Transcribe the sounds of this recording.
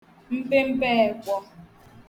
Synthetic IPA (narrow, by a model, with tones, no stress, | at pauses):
m̩˦pe˦m̩˦pɛː˦˨kʷɔ˦